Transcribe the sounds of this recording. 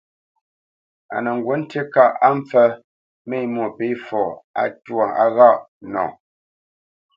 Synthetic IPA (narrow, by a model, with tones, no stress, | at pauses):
a̰˨nə˨ŋ˨ɡwo˨˦n̩˦te˦ka˦˨ʔa˦m˦p͡fə˦ | me˦˨jmo˨pe˨˦fɔ˨a̰˨twɔ˨a̰˨ɣa˦ʔ | nɔ̰̃˨